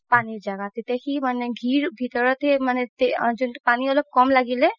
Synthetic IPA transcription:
paːnid͡ʒaɡat̪it̪ekiməneɡʱiːɾbʱit̪əɾɔt̪emənet̪ed͡ʒʊnʈpaːnioləb̚kɔːmlaɡile

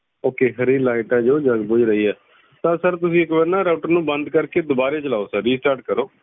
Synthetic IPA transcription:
oːkeːɦəɾiːlaːɪʈaːd͡ʒoːd͡ʒəɡbʊd͡ʒɾəiːɛː | t̪ãːsəɾt̪ʊsĩːɪkʋəɾnaːɾaːʈəɾnũːbənd̪kəɾkeːd̪ʊbaːɾeːt͡ʃəlaːoːsəɾiːsʈaːɾʈ̚kəɾoː

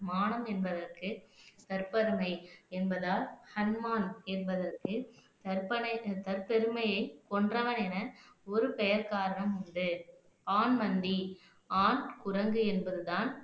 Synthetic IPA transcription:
maːnɐmɛnbɐðɐrkɯt̪ɐɾpɐɾɯmɐɪɛnbɐðaːlhɐnmaːnɛnbɐðɐrkɯt̪ɐɾpɐnɐt̪ɐɾpɛɾɯmɐjɐɪkɔɳdrɐʋɐnɛnɐɔɾɯpɛjɐɾkaːɾɐɳɐmʊɳɖɯ | paːnmɐnd̪i | aːnkʊɾɐŋɡɯɛnbɐðɯðaːn

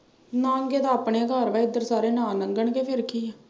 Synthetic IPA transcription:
nãːəŋɡeːd̪aːəːpɳeːɡəɾʋaːɪd̪əɾsaːɾeːnãːnəŋɡəɳɡeːpʰɪɾkʰiːɛː

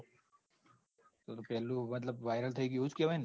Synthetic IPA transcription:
t̪ot̪opɛlumɐt̪ləbʋajɾəlt̪ʰəik̬iut͡skeʋajn

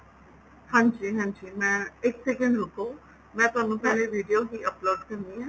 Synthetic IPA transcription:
hãːɲd͡ʒiːɦãːɲd͡ʒiːmɛ̃ːɪksɛkə̃ɳɖɾokʰoː | mɛ̃ːt̪ʊaːnũːpɛːleʋiːɖijoɦiːəploːɖkəɾnd̪iːɦãː

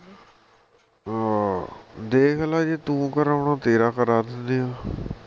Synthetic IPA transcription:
d̪eːkʰlaːd͡ʒeːt̪ũːkəɾaʊɳãːt̪eːɾaːkəɾaːd̪ɪnd̪ejãː

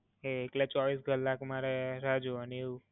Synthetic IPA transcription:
eːklet͡ʃɔʋisɡəlːakmaɾeɾad͡ʒuəneu

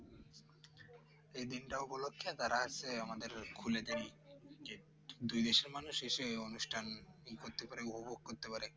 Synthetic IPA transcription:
ejd̪inʈaupolokʰːet̪aɾaat͡ɕʰeamad̪eɾkʰuled̪enid͡ʒe | d̪ujd̪eʃeɾmanuʃeʃeonuʃʈʰankoɾt̪epaɾeupoboɡ̚koɾt̪epaɾe

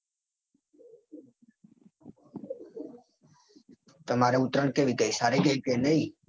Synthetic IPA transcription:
t̪əmaɾeut̪ɾəɳkeʋiɡəisaɾiɡəikenəi

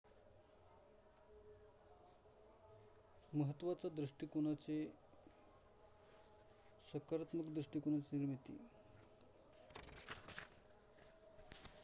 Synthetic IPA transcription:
məɦət̪ːʋat͡sad̪ɾəʂʈikunat͡se | səkaɾat̪məkd̪ɾəʂʈikunat͡siniɾmit̪ḭ

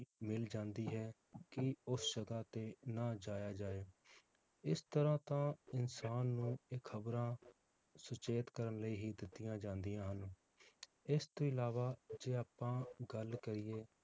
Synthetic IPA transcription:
mɪld͡ʒãːnd̪iːɦɛː | kɪʊsd͡ʒəɡaːt̪eːnaːd͡ʒaːjaːd͡ʒaːeː | ɪst̪əɾãːt̪ãːɪnsaːnːũːeːkʰːəbɾãː | sʊt͡ʃeːt̪kəɾənləiːɦiːd̪ɪt̪ːɪjãːd͡ʒãːnd̪ɪjãːɦən | ɪst̪õːɪlaːʋaːd͡ʒeːaːpːãːɡəlkəɾɪːeː

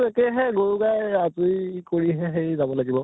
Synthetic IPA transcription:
ekɛɦɛɡoɹuɡajazujkoɹiɦɛɦejzabɔlaɡibɔ

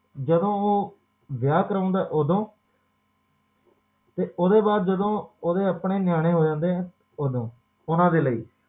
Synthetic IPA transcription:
d͡ʒəd̪õːoː | ʋjaːkəɾãːnd̪aːʔoːd̪õː | t̪eːʔoːd̪eːbaːd̪̚d͡ʒəd̪õːoːd̪eːəpɳeːnɪjaːɽ̃ẽːɦoːd͡ʒãːnd̪eːɛ̃ː | oːd̪õː | ʊnãːd̪eːləḭː

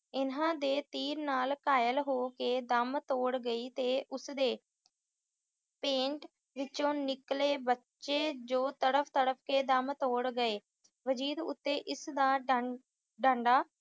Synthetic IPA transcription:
ɪnãːd̪eːt̪iːɾnaːlkaːjəlɦoːkeːd̪əmt̪oːɽɡəiːt̪eːʔʊsd̪eː | pẽːɳʈ | ʋɪt͡ʃõːnɪkleːbətːʃeːd͡ʒoːt̪əɽəpʰt̪əɽəpʰkeːd̪əmt̪oːɽɡəeː | ʋəd͡ʒiːd̪ʊ̰t̪ːeːʔɪsd̪aː | ɖãːɳɖaː

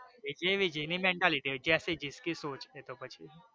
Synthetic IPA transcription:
ed͡ʒeʋid͡ʒəjnimeɳʈaliʈid͡ʒasid͡ʒiskisot͡ʃet̪opət͡ʃʰi

